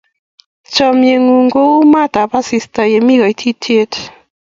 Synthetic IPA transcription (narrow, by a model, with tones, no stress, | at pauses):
t͡ʃɔ˨mje˨ŋu˨ŋɡo˦u˦ma˦d̪a˨pa˦si˨st̪a˨je˨mi˦ɡa˨jt̪ʰi˦t̪ʰe˦t̪